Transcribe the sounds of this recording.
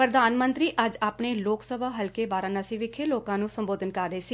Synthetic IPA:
pɾəd̪aːnmənt̪ɾiːʔəd͡ʒaːpɳeːloːksəbaːɦəlkeːbaːɾãːnəsĩːʋɪkʰeːloːkãːnũːsəmboːd̪ənkəɾːəeːsiː

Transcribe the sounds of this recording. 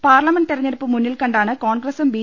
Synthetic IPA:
paːrlɐmenɖ̪irɐɲːɐɾɐpːɨmunːilkɐɳɖaːɳɨkoːnɡrɐsumbiː

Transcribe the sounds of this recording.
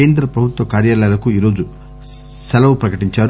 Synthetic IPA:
eːnd̪ɾɐpɾɐbʱut̪ʋɐkaːɾjaːlɐjalɐkuiːɾo̞ːd͡ʒu | sɛlɐʋupɾɐkɐʈiɲt͡ʃaːɾ

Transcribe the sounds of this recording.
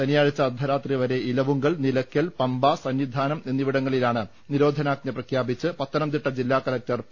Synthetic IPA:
t̪ɐnijaːɻit͡ɕːɐːd̪ʱɐɾaːt̪riʋɐɾe̞ilɐʋuŋɡɐɭnilɐkʲːɐlpɐmbasɐnʋid̪ʱaːnɐme̞nːiʋiɽɐŋːɐɭilaːɳɨ | niɾo̞ːd̪ʱɐnaːk̚ɲɐprɐkʰjaːbit͡ɕːɨpɐt̪ːɐnɐmt̪̬iʈːɐd͡ʑilːaːkɐlɐk̚tɐr

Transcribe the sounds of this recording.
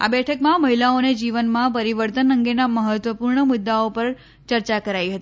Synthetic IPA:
a̰bɛʈʰəkmãməɦilaoned͡ʒiʋənmãpəɾiʋəɾt̪ənəŋɡenaməɦət̪ʋəpuɾɳəmʊd̪ːaopəɾ | t͡ʃəɾt͡ʃakəɾaiɦət̪i

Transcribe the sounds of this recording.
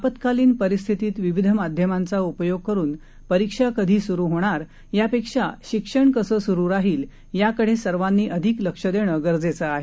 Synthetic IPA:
apət̪kaliːnpəɾist̪ʰit̪iːt̪ʋiʋid̪ʱəmad̪ʱjəmant͡saupəjoɡ̚kəɾuːn | pəɾikʂakəd̪ʱiːsuɾuːɦoɽ̃aɾ | japekʂa̰ɕikʂəɳkəsəːsuɾuːɾaɦiːl | jakəɽ̤esəɾʋanːiːʔəd̪ʱikləkʂəd̪eɽ̃əɡəɾd͡zet͡səaɦe

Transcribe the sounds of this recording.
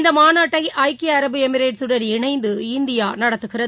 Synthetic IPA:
nd̪ɐmaːnaːʈːɐɪʔɐɪkɪɐɾɐbɯɛmɪɾeːʈsɯɽɐnɪɳɐɪnd̪ɯɪnd̪ɪjaːnɐɽɐt̪ːɯɣɪrɐ

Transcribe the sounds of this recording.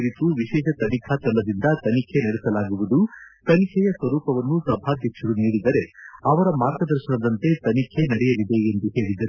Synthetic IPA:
ɾit̪uʋiʃɛːʃɐt̪ɐnikʰat̪ɐɭːɐd̪ind̪ɐt̪ɐnikʰenɐɽɛsɐlaːɡuʋud̪ut̪ɐnikʰɛjɐsʋɐɾuːpɐʋɐnːusɐbʱaːɡ̪ekʂɐɾuniːɽid̪ɐɾe̞ɐʋɐɾɐmaːɾɡɐd̪ɐɾʃɐnɐd̪ɐnt̪e̞t̪ɐnikʰe̞nɐɽɛjɐlid̪e̞ːnd̪uɦe̞ːɭid̪ɐɾ

